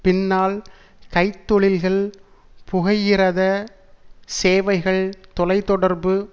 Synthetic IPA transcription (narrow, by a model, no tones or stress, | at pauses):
pɪnːaːl | kɐɪt̪ːɔɭɪlɣɐɭ | pʊɣɐjɪɾɐðɐ | seːʋɐɪɣɐɭt̪ɔlɐɪt̪ːɔɽɐɾbɯ